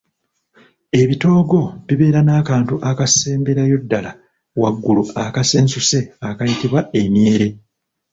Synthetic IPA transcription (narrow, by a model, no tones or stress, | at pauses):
e̞βito̞ːɡo̞βiβe̞ːɾanaːkaːntuʔakase̞ːmbe̞ɾajo̞dːala | waɡːuluakase̞ːnsuse̞akajitiβwae̞mje̞ːɾe̞